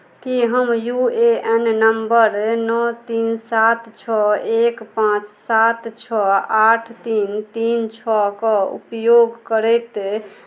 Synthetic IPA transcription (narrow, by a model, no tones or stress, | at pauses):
kiɦəmjueennəmbəɾnɔt̪insat̪t͡ʃʰɔekpãt͡ʃsat̪t͡ʃʰɔaʈʰt̪int̪int͡ʃʰɔkɔṵpjoɡkəɾɛt̪